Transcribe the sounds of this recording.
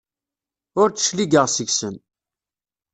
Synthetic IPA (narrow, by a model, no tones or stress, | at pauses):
ʊɾt͡sːə̥ʃliɡəʁsəʝsən